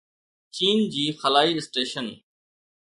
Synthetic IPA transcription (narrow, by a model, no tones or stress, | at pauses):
t͡ɕiːnd͡ʑiːxəlaːiːɪsʈeːʃən